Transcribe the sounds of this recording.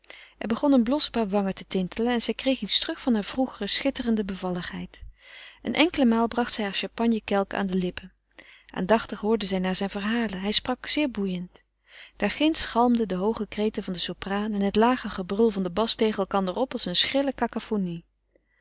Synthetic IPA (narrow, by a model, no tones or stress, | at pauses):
ʔɛɹbəχɔnənblɔspaːɹʋɑŋəɹtətɪntʰələnɛnzɛjkrejχitstrɵχfɑnɦaːɹv̥ruχərəsχɪtərəndəbəvɑlˠəχɦɛjt | ənʔɛŋkələmaːlˠbrɑχtsɛjɦaːɹʃɑmpɑnjəkɛlˠka̰ːndəlɪpə | ʔa̰ːndɑχtəχɦʊːɹdəzɛjnaːɹzɛjnvərɦaːlənɦɛjsprɑkz̥ɪːɹbujənt | d̥aːɹχɪnsχɑlˠmdədəɦowχəkrejtəvɑndəsopraːnɛnɦətlaːχəχəbrɵlˠvɑndəbɑstejχənɛlˠkɑndərɔpɑlˠsənsχrɪləkakafoni